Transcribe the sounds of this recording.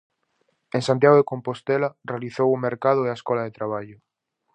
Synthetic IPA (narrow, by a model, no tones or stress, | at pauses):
ẽŋsant̪jaɣoðekompost̪elarealiθowʊmeɾkað̞ʊeaeskɔlaɐðet̪ɾaβ̞aʎʊ